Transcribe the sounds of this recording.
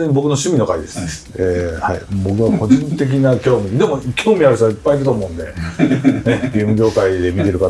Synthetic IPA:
eɲ̟ibo̞kɯ̟no̞ɕɨmʲino̞kaid̪e̞sɨ̥ | eːha̰ibo̞kɯ̟βako̞ʑĩnt̪e̞k̬ʲinakʲo̞ːmʲid̪e̞mo̞kʲʰo̞ːmʲiaɾɯ̟ɕt̪oaipːaid̪et̪o̞ːmo̞ːɯ̃nd̪e̞ | neɡeːmɯ̟ɡʲo̞ːkaid̪e̞mʲit̪e̞ɾɯ̟ka

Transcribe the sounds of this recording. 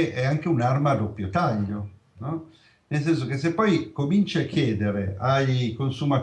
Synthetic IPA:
ʔɛaŋk̟eunarmad̪opːjot̪aʎːo | nɔ | nels̬ɛns̬ok̟es̬ːepːɔjkomint͡ʃaakːjɛːd̪eɾeajkonsumat̪

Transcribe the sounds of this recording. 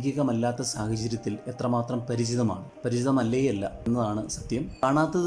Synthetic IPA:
kʲjɐɣɐmɐlːaːt̪ːɐsaːhɐt͡ɕɐɾjɐt̪ːile̞t̪rɐmaːt̪rɐmpɐɾid͡ʑiðɐmaːɳɨpɐɾit͡ɕiðɐmɐlːejɐlːɐe̞nːɐðaːɳɨsɐd̪jɐmkaːɳaːt̪ːɐð

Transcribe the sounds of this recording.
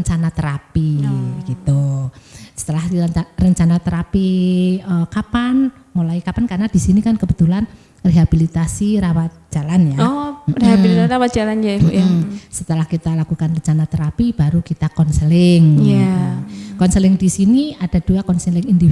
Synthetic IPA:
ɲt͡ʃanat̪əɾapiɡ̥it̪u | sə̥t̪əlaharəɲt͡ʃanat̪əɾapiəkapan | molaikapankarnad̥isinikankəb̥ət̪ulan | reɦab̥ilit̪asiɾawat̪̚d͡ʒ̥alanjareɦabilit̪asiɾawat̪̚d͡ʒ̥alanja | sət̪əlahkit̪alakukanrəɲt͡ʃanat̪əɾapib̥aɾukit̪akɔnsəlɪŋja | kɔnsəlɪŋdisiniad̥a̤d̥uakɔnsəlɪŋindi

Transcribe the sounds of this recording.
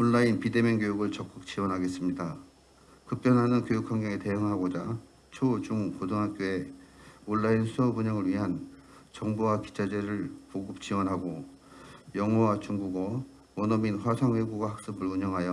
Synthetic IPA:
oɭːainpide̞mjʌnɡjojuɡɯɭt͡ɕʌk̚k͈uk̚t͡ɕ͈iwʌnɦaɡe̞s͈ɯmɲida | kɯp͈jʌnɦanɯnkjojukʰwaŋɡjʌŋete̞ɯŋɦaɡod͡ʑa | t͡ɕʰod͡ʑuŋkodʰoŋɦak͈joe̞oɭːainsʰeʌbuɲaŋɯɭɥiɦan | t͡ɕʌŋbuwaki̥t͡ɕʰad͡ʑe̞ɾɯɭpoɡɯp̚t͡ɕ͈iwʌnɦaɡo | jʌŋɦʌwat͡ɕuŋɡuɡʌ | wʌnʌminɸwasʰaŋwe̞ɡuɡahak̚s͈ɯbɯɭuɲʌŋɦajʌ

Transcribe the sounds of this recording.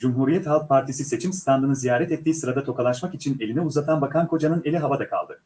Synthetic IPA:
d͡ʒumɦuːɾijɛt̪halˠk̚pʰaɾt̪ʰisise̞t͡ʃʰimst̪ʰand̪ɯnɯzijaːɾɛt̪ɛt̪ːiːsɯɾad̪at̪ʰo̞kʰalˠaʃmakit͡ʃʰine̞lʲinɛuzat̪ʰanbakʰankʰo̞d͡ʒanɯne̞lʲiɦavad̪akʰa̰lˠd̪ɯ

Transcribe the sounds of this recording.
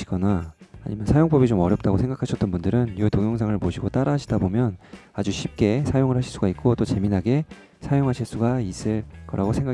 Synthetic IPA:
iɡ̥ʌna̰ːɲimjʌnsʰajoŋp͈ʌbit͡ɕomʌɾjʌp̚t͈aɡosʰe̞ŋɡakʰaɕʰʌt͈ʌnbundɯɾɯnjoetoŋjoŋsʰaŋɯɭpoɕʰiɡot͈aɾaɕʰidabomjʌnad͡ʑuɕʰip̚k͈e̞sʰajoŋɯɭɦaɕʰiɭs͈uɡait̚k͈ot͈ot͡ɕe̞minɦaɡe̞ | sʰajoŋɦaɕʰiɭs͈uɡais͈ɯɭk͈ʌɾaɡosʰe̞ŋɡa

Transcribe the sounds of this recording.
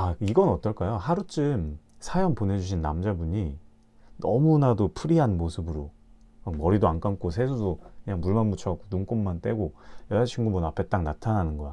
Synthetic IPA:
aiɡʌnʌt͈ʌɭk͈ajohaɾut͡ɕ͈ɯm | sʰajʌŋpone̞d͡ʑuɕ̬ʰinːa̰md͡ʑabuɲi | nʌmunadopʰɯɾiɦanmosʰɯbɯɾo | makmʌɾidoank͈aŋk͈ʰos̬ʰe̞sʰudokɯɲaŋmuɭmanmut͡ɕʰʌak͈onuŋk͈omːant͈we̞ɡojʌat͡ɕʰiŋɡubonapʰe̞t͈aŋnatʰananɯnɡʌja

